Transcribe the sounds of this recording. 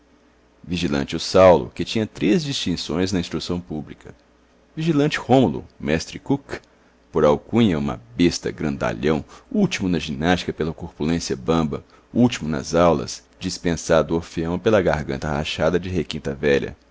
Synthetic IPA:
viʒilɐ̰̃nt͡ʃɪʊsawlʊ̰kɪt͡ʃĩɲɐt̪ɾezd͡ʒist͡ʃĩsõ̰j̃znɐĩst̪ɾusɐ̃w̃publikɐ | viʒilɐ̃nt͡ʃɪ̥hõmulʊ̰mɛst̪ɾɪkuk | poɾawkũɲɐũmɐ̰best̪ɐ̰ɡɾɐ̃nd̪a̰ʎɐ̃w̃uwt͡ʃimʊnɐʒĩnaʃt͡ʃi̥kɐpelɐkuɾpulẽsiɐbɐ̃bɐ | uwt͡ʃimʊnɐ̰zawlɐ̰s | d͡ʒispẽsad̪ʊoɾfeɐ̃w̃pelɐɡaɾɡɐ̃nt̪ɐha̰ʃad̪ɐd͡ʒɪɦekĩnt̪ɐvɛʎɐ̰

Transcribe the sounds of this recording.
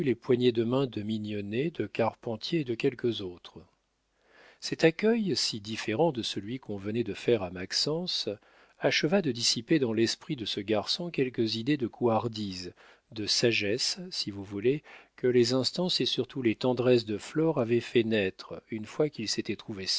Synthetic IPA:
ylepwaɲed̪əmɛ̃d̪əminjɔned̪əkaʁpɑ̃t̪jeːd̪əkʲɛlkəzot̪χ | sɛt̪akʲœjsid̪ifeʁɑ̃d̪əsəlɥikʰɔ̃vənɛd̪əfɛʁamaksɑ̃s | aʃəvad̪əd̪isiped̪ɑ̃lɛspχid̪əsəɡaʁsɔ̃kʲɛlkəzid̪ed̪əkʰuaʁd̪iz | d̪əsaʒɛsːivuvulekəlezɛ̃st̪ɑ̃sesyʁt̪ulet̪ɑ̃d̪ʁɛs̬d̪əflɔʁavɛfɛnɛt̪χynfwakilset̪ɛt̪χuve

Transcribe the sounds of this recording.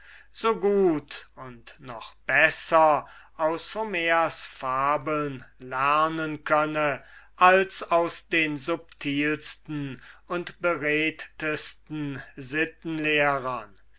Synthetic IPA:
z̥oːɡuːtʊntnɔχb̥ɛsɐʔaʊshomeːasfaːbl̩nlæʁnənkʰœnəʔalsaʊsd̥eːnzʊp̚tʰiːlstn̩ʊntb̥əʁɛːttəstn̩zɪtn̩leːʁɐn

